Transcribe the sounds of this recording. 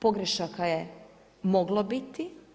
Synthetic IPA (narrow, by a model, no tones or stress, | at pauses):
po̞ɡɾeʃakaje | mo̞ɡlˠobit̪i